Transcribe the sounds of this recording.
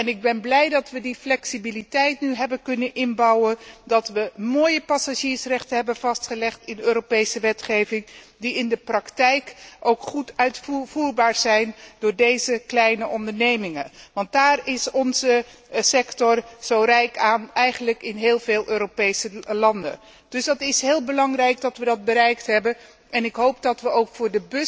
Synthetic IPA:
ɛnɪɡ̚bɛnblɛjdɑtʋədiflɛksibilitɛjtnyɦɛbəkɵnənʔɪnbɑwəndɑtʋəmoːjəpɑsaʒiːɹsrɛχtənɦɛbənv̥ɑstχəlɛχtɪnøːɾopejsəʋɛtχejvɪŋ | diɪndəprɑktɛjkʔowkχutœɥtfv̥uːɹbaːɹz̥ɛjndʊːɹdejzəklɛjnəʔɔndəɹnejmɪŋənʋɑnd̚daːrɪsɔnzə | sɛktɔrz̥owrɛjkaːnɛjχənləkɪnɦɪːlˠveːlˠʔøːɾopejsəlɑndə̰n | d̥ɵsdɑtɪsɦɪːlˠbəlɑŋrɛjk̚dɑtʋədɑd̚bəɾɛjktɦɛbən | ɛnɪkɦowp̚dɑtʋəowkfʊːɹdəbɵ

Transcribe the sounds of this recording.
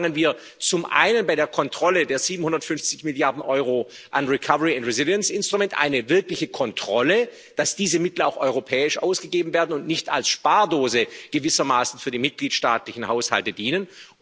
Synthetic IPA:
ŋənviːɐ | t͡sʊmʔa̰ɪnənbaɪɾeːɐkʰɔntʁ̥ɔlədeːɐz̥iːbm̩n̩hʊndɐtfʏnft͡sɪçmɪljaɐdn̩ʔɔʏʁo | ʔanʁikʰavəʁiʊntʁɛzɪljənsʔɪnstʁ̥ʊumɛntʔa̰ɪnəvɪɐklɪçəkʰɔntʁ̥ɔlə | d̥asd̥iːzəmɪtl̩a̰ʊxʔɔʏʁ̞opʰɛːɪʃʔa̰ʊsɡ̥əɡeːbm̩veːɐdn̩ʊntnɪçta̰lsʃpaːɐdoːzəɡ̥əvɪsɐmaːsn̩fyːɐdiːmɪt̚ɡ̥liːtʃtaːtlɪçn̩haʊsha̰ltədiːnən

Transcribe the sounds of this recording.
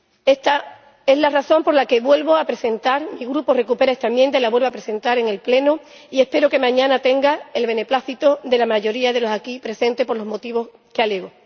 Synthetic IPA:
et̪a | e̞zlaraθo̞mpo̞ɾlake̞βwe̞lβo̞apɾe̞se̞nt̪aɾmiɣɾupore̞kupe̞ɾae̞st̪aemjent̪̬ailaβwe̞lβapɾe̞se̞nt̪aɾe̞ŋe̞lple̞nu | ie̞hpe̞ɾoke̞mãɲãnat̪e̞ŋɡae̞lβe̞ne̞plaθit̪od̪e̞lamaʝo̞ɾiað̞e̞lo̞sakipɾe̞sẽ̞nt̪e̞po̞ɾlo̞ɦmo̞t̪iβ̞o̞s | keale̞ɣo

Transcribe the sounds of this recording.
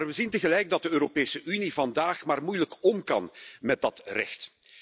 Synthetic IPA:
rʋəzintəɣəlɛjɡ̚dɑt̚dəøːɾopeːsəʔynivɑndaːxmaːrmujləkɔmkɑ̰nmɛt̚dɑtrɛ̰xt

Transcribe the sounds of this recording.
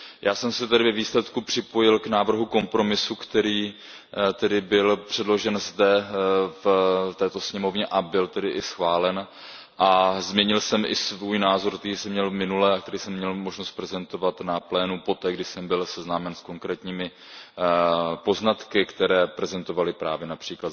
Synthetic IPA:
jʔaːsɛmsɛt̪ɛdɪvɛviːslɛt̪kupr̥ɪpo̞jɪlknaːvr̩ɦuko̞mpɾo̞mɪsukt̪ɛɾiː | t̪ɛdɪbɪlpr̝̥ɛdlo̞ʒɛnzdɛft̪ɛːt̪o̞sɲɛmo̞vɲɛʔabɪlt̪ɛdɪʔɪsxvaːlɛn | ʔazmɲɛɲɪlsɛmʔɪ̰svuːjnaːzo̞ɾk̚t̪ɛɾiːsɛmɲɛlmɪnulɛak̚t̪ɛɾiːsɛmːɲɛlmo̞ʒno̞st̪̚pɾɛzɛnt̪o̞vat̪naplɛːnupo̞t̪ɛːɡdɪsɛmbɪlsɛznaːmɛnsko̞ŋkɾɛːt̪ɲiːmɪ | po̞znat̪kɪkt̪ɛɾɛːpɾɛzɛnt̪o̞valɪpɾaːvjɛnapr̝̥iːkla

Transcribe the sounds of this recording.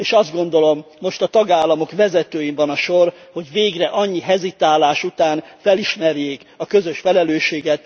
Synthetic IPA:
eːʃɒzd̪ɡo̞n̪d̪o̞lo̞mːo̞ʃt̪ɒt̪ɒɡaːlːɒmo̞kvɛzɛt̪øːjimvɒnɒʃo̞rho̞ɟveːɡrɛʔɒɲːiɦɛzit̪aːlaːʃut̪aːnfɛliʃmɛrjeːkɒkø̞zø̞ʃfɛlɛløːʃeːɡɛt̪

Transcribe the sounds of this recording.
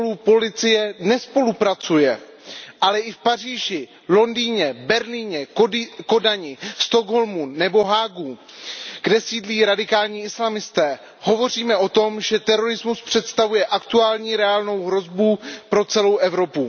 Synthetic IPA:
polupo̞lɪt͡sɪjɛnɛspo̞lupɾat͡sujɛʔalɛʔɪfpariːʒɪ | lo̞ndiːɲɛbɛɾliːɲɛko̞daɲɪst̪oɡɦo̞lmunːɛbo̞ɦaːɡu | ɡ̥dɛsiːdliːɾadɪkaːlɲiːɪslamɪst̪ɛː | ho̞vo̞r̝iːmɛʔo̞t̪o̞mʒɛt̪ɛɾo̞ɾɪzmuspr̝̥ɛt̪st̪avujɛʔakt̪uaːlɲiːɾɛaːlno̞wɦɾo̞zbupɾo̞t͡sɛlo̞wʔɛvɾo̞pu

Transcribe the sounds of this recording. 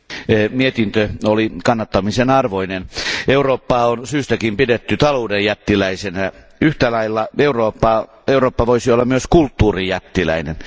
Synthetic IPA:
miet̪int̪øolikɑnːɑt̪ːɑmisenɑrʋoineneuroːpːɑːonsyːst̪ækimpidet̪ːyt̪ɑloːdejjæt̪ːilæisenæ | yht̪ælɑilːɑeuroːpːɑ | euroːpːɑʋoisiolːɑmmyøskult̪ːuːrijæt̪ːilæ̰inḛn

